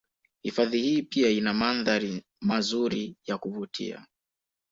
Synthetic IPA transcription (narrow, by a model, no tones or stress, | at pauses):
hifaðihiːpiainamanðaɾi | mazuɾijakuvutʰḭa̰